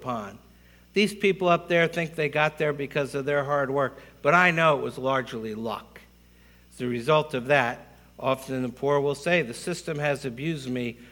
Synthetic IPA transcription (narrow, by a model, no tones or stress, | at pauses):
pʰɑ̃n | ðiz̥pʰipl̩ˠʌp̚ðə˞θɪ̃ŋk̚ðeɪɡɑt̪̚ðə˞bɨkʰʌzʌvðə˞ɦɑɹd̚wɜ˞k̚b̥ʌɾaɪnoʊəʔ̚wʌzlɑɹd͡ʒlilʌ̰k | ðɨɹɨzʌlˠtʌvðɨɾ | ʔɑfəñnðəpʰuɹwɪlˠseɪðɨsɪstɨ̃mɨzɨbjʉzd̚mi